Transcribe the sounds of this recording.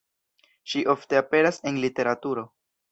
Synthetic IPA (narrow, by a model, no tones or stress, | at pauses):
ʃiʔo̞fte̞ape̞ɾase̞nlite̞ɾatuɾo̞